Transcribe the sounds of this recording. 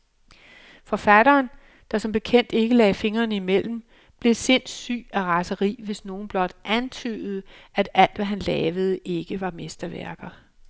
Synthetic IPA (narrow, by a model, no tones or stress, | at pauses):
fɒ̽fæɾ̥ɐːn | d̥ɑ̈sɒ̽mb̥e̝kʰen̰d̥e̝ɡ̥əlɛ̰ːfe̝ŋɐːnimel̰m̩ | b̥le̝se̝n̰sy̰ːæʁɑ̈səʁḭːʋe̝sno̝ːn̩b̥lɒ̽d̥ʔænt͡sʰy̰ːð̞̩ˠəæd̥æl̰d̥ʋæɦænlɛːʋəð̞̩ˠəʔe̝ɡ̥əʋɑ̈me̝sd̥ɐʋæɐɡ̥ð̩ˠ